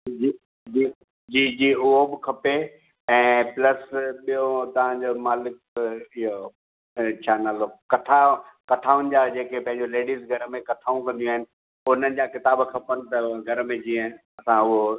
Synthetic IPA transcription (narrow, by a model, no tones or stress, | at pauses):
d͡ʑi | d͡ʑiː | d͡ʑiːd͡ʑiːʊɦobɪkʰɐpe | ɛ̃ːplɐsɓijot̪ɐʋ̤ãd͡ʑomaːlɪk̚ | ɪɦo | t͡ɕʰaːnaːloːkɐʈʰakɐʈʰaːʊnɪ̆d͡ʑad͡ʑeːkepɐ̃ɦɪ̃ɲd͡ʑoleːɖizɡʱɐɾmẽkɐʈʰaːũkɐ̃nd̪ijũaːɦɪnɪ̆ | ʊn̤ənɪ̆d͡ʑakɪt̪aːbkʰɐpənɪ̆t̪ɐɡʱɐɾmẽd͡ʑiːə̃ | ɐsãʊɦo